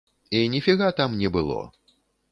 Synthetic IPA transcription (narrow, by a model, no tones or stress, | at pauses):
inʲɛfʲiɣat̪amnʲɛbɨlˠɔ̰